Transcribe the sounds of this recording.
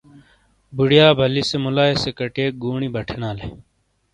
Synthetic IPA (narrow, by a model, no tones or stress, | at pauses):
buɽjaːbʱɐlisemulaːesekɐʈeːk̚ɡuːɳibɐʈʰenaːlḛ